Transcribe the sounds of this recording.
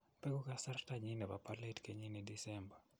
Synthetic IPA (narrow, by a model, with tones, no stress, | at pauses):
pɛ˦kɔ˦kasa˦rta˦ɲi˦nɛ˨bapale˦tke˦ɲi˦ni˨di˦sɛmba˨